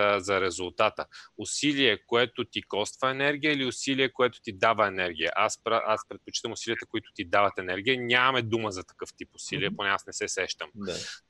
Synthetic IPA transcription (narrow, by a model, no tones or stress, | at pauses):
əzɐɾɛzʊlˠt̪at̪əʊsiliɛkoɛt̪ot̪ikɔst̪vɐɛnɛɾɡ̟ʲijəiliʊsiliɛkoɛt̪ʊ̥t̪id̪avəɛnɛɾɡ̟ʲiə̰ʔaspɾaʔaspɾɛt̪̚pot͡ʃi̥t̪əmʊsiliət̪əkoit̪ʊ̥t̪id̪avət̪ɛnɛɾɡ̟ʲijənʲamɐmɛd̪uməzɐt̪ɐ̥kɤft̪ipʊsiliɛponɛasnɛsɛsɛʃt̪əm